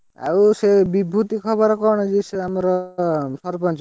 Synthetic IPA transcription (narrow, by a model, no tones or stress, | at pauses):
a̰wsebibʱut̪ikʰɔbɔɾkɔɾɽ̃ɔd͡ʒiseamɔɾɔsɔɾpɔnt͡ʃ